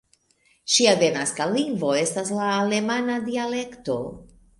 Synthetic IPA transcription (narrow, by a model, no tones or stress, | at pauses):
ʃiavenaskaliŋɡvo̞e̞staslaːle̞manadiale̞kto̞̰